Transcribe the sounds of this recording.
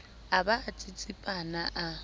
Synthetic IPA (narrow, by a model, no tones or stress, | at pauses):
abaːt͡sʼɪt͡sʼipʼanaʔa